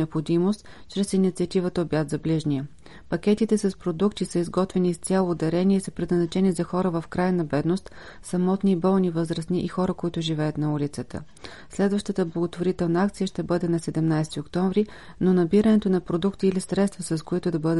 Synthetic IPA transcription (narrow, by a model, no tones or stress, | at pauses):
ɛopxod̪imost̪ | t͡ʃɾɛsinit̪siət̪ivət̪əobjat̪zɐbliʒniə | pɐkʲɛt̪it̪ɛsɐspɾod̪ukt̪isɤizɡɔt̪vɛnist̪sʲalˠoːd̪ɛɾɛniɛsəpɾɛd̪nəznɐt͡ʃɛnizɐxɔɾəvəfkɾajənɐbɛd̪nost̪ | sɐmɔt̪nibɔlˠnivɤzɾəsniʔixɔɾəkoit̪ʊʒivɛjət̪nɐulʲit̪sət̪ʰə̰ | slɛd̪vəʃt̪ət̪əblˠəɡot̪voɾit̪ɛlˠnəak̚t̪sijəʃt̪ɛbɤd̪ɛnɐsɛd̪ɛmnajsɛt̪iokt̪ɔɱvɾi | nonɐbiɾənɛt̪onɐpɾod̪ukt̪iːlisɾɛt̪st̪vəsɐskoit̪ʊd̪ɐbɤd̪